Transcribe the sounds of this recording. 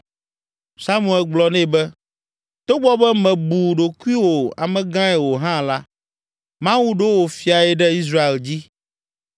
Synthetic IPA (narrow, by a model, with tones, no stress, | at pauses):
sa˦mũ˨ɛ˨lɡ͡blɔ˦nɛ̃˦˨bɛ˦ | t̪o˦ɡ͡bɔ˦bɛ˦mɛ̃˨bu˨ɖo˨ku˦i˦wo˨a̰˨mɛ̃˨ɡã˦ɛ˨wo˨ɦã˦˨la˦ | mã˦wu˦ɖo˦wo˨fi˨a˨ɛ˨ɖɛ˦i˦s̬ɾa˦e˨ld͡ʑi˦